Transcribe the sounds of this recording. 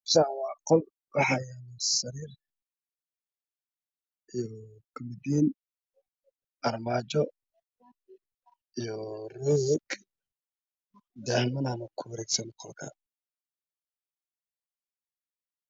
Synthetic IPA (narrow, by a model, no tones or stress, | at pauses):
sawɑːqɔl | wɑħɑjɛnsɐɾiːr | ijɔɡʊmɪd̪iːn | ʔɐrmaːt͡ʃɔ | ijɔrɔːjɛɡ | d̪ɛhmɐnaːnɐkʰʊwɐɾɛːɡsɐnqʰɔlkʰɐ̰